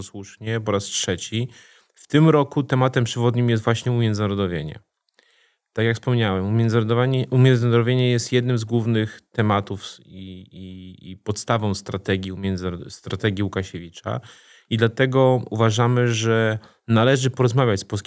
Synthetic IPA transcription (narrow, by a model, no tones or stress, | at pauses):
swuʂɲɛpɔɾastʂɛt͡ɕi | ft̪ɘmɾɔkut̪ɛmat̪ɛmpʂɛvɔd̪ɲimjɛst̪vwaɕɲɛumʲjɛnd̪naɾɔd̪ɔvʲjeɲɛ̰ | t̪akjakfspɔmɲawɛmʲɛnd̪zɾɔd̪vaɲɛumʲjɛnzɪnaɾd̪ɔvʲeɲɛjɛst̪jɛd̪nɘmzɡwuvnɘxt̪ɛmat̪ufiiipɔt̪st̪avɔ̃w̃st̪ɾat̪ɛɡʲiumʲɛnd̪zst̪ɾat̪ɛɡʲjiukaɕevʲit͡ʂa̰ | id̪lat̪ɛɡɔṵvaʐamɘʐɛ | nalɛʐɘpɔɾɔzmavʲjat͡ɕspɔlskʲ